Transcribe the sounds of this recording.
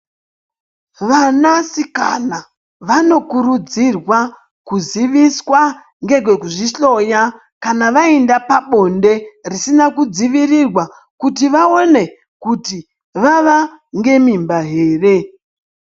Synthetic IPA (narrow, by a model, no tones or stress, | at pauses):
ʋanasika̰na | ʋano̞kuɾud͡zirwa | kuziʋiswa | ŋɡe̞ɡwe̞kuʐiɬo̞ja | kanaʋaendapaɓo̞nde̞risinakud͡ziʋirirwa | kutiʋaone̞ | kuti | ʋaʋaŋɡe̞mimbaɦe̞ːre̞